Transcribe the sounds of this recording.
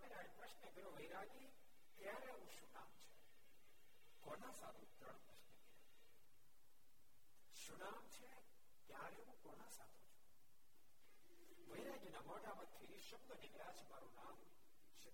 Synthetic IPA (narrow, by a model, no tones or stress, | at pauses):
əmeɾaːɽipɾəʃnəɡəɾoʋəjɾaɡi | k̪jaːɾeɦũʃuna̰ːmt͡ʃʰe̥ | kɔnasa̰ːd̪ʱũt̪ə̰ɳpɾɐʃnəkiɾo | ʃunaːmt͡ʃʰe | k̪jaɾeɦũkɔːnãsaːd̪ʱũt͡ʃʰu̥ | ʋəjɾaːɡinamɔːʈamət̪ʰːiiʃɐbd̪əniɡjat͡ʃʰemaːɾunaːm | t͡ʃʰe